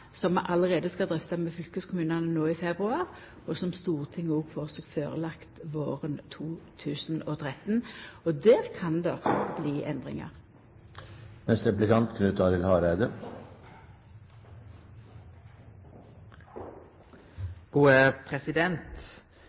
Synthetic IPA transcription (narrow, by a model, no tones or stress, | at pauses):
sɔmɛʔɑləʁeːd̪əskɑld̪ʁɛft̪ɑmeːfʏlkəskʰʊmʉːnɑnənoːiːfɛbʁʉɑːʁ | ɔsɔmst̪uːʁt̪ʰɪŋːɔɡfɔʁsoːkføːʁəlɑkt̪ʋo̰ːʁənt̪ʰuːt̪ʰʉːsn̩oːt̪ʰʁɛt̪n̩ɔd̪eːʁkʰɑnd̪ɔb̥liːʔɛ̰nd̪ʁɪ̰ŋɑ̰ʁ | nɛst̪ɾɛplɪkɑnt̪kʰnʉːt̪ɑɾɪlhɑːɾæɪd̪ə | ɡ̥uːəpʰɾɛsɪd̪ɛnt̪